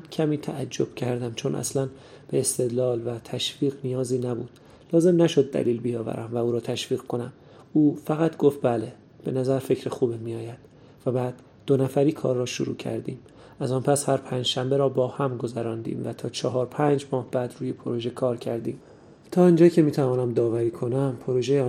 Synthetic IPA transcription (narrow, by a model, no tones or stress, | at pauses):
cʰæmiːt̪ʰæʔæd͡ʒːob̥cʰæɾd̪æmt͡ʃʰo̞nʔæ̰slæn | b̥eːst̪e̞d̪lɒːlvæt̪ʰæʃviːɣnijɒːziːnæbuːd̪̥ | lɒːze̞mnæʃo̞d̪̚ːæ̰liːlbijɒːvæ̰ɾæmvæuːɾɒːt̪ʰæʃviːɣkʰo̞næm | uːfæɣæt̪ɡo̞ft̪̚bæle | b̥e̞næzæɾfe̞cʰɾexuːbimijɒːjæd̪̥ | væbæːd̪ːo̞næfæɾiːkʰɒ̰ːɾːɒːʃoɾṵːcʰæ̰ɾd̪ḭːm | ʔæzɒːnpʰæshæɾpʰæːnd͡ʒʃæmbeɾɒːbɒːhæmɡo̞zæɾɒːnd̪ḭːmvæt̪ʰɒːt͡ʃʰɒɦɒːɾpʰæːnd͡ʒmɒːhb̥æːd̪ɾuːje̞pʰoɾo̞ʒe̞kʰɒːɾcʰæɾd̪iːm | t̪ʰɒːind͡ʒɒːcʰe̞miːt̪ʰævɒːnæmd̪ɒːvæɾiːkʰo̞næmpʰo̞ɾoʒejeː